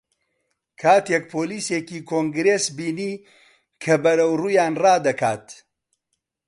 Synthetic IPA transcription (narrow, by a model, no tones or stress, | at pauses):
kʰaːt̪ek̚pʰoːliːseːkiːkʰoːŋɡɾeːsbiːniː | kʰɐbɐɾɐwruːjaːnrɑːd̪ɐkʰa̰ːt̪